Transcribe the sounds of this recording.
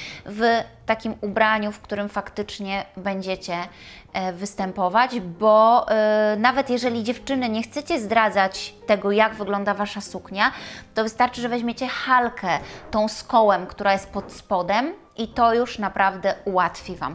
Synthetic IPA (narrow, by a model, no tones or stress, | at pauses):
vt̪akʲimubɾaɲufkt̪uɾɘmfakt̪ɘt͡ʂɲɛbɛɲd͡ʑɛt͡ɕɛ | vɘst̪ɛmpɔvad͡ʑbɔ | navɛt̪jɛʐɛlʲid͡ʑɛft͡ʂɘnɘɲɛxt̪sɛt͡ɕɛzd̪ɾad̪zat͡ɕt̪ɛɡɔjaɡvɘɡlɔnd̪avaʂasukɲat̪ɔvɘst̪aɾt͡ʂɘʐɛvɛʑmʲjet͡ɕɛxalkʰɛt̪ɔ̃w̃skɔwɛmkt̪uɾajɛst̪̚pɔt̪spɔd̪ɛm | ʔit̪ɔjuʂnapɾʔavd̪ɛuwat̪fʲiva̰m